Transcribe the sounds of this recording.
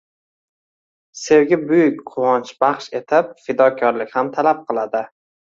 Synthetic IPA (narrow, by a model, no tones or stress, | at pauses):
se̞wɡʲɪbʊjʊk̚ʲqʰʊwɒnt͡ʃbɑχʃe̞t̪ʰɪp̚fɪd̪ɒkʲʰɒɾlɪkʲhamt̪ʰalap̚qʰɨlˠad̪ɪ